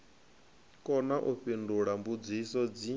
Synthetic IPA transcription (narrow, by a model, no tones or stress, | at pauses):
kʼɔnaʔuɸinduɺambud͡zisɔd͡zi